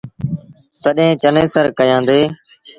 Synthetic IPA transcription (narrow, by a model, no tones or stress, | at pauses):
t̪əɗɦẽːt͡ʃəneːsəɾkəjãːnd̪eː